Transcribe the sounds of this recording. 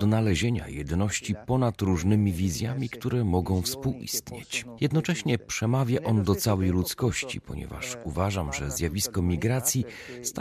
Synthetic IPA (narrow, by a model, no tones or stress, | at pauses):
d̪nalɛʑeɲa̰jɛd̪nɔɕt͡ɕipɔnat̪ɾuʐnɘmʲivʲizʲjamʲikt̪uɾɛmɔɡɔ̃w̃fspuwʔḭst̪ɲet͡ɕjɛd̪nɔt͡ʂɛɕɲɛpʂɛmavʲjaʔɔnd̪ɔt̪sawɛjlut̪skɔɕt͡ɕḭpɔ̰ɲɛ̰va̰ʂuvaʐamʐɛzʲjavʲiskɔmʲiɡɾat̪sʲji | st̪a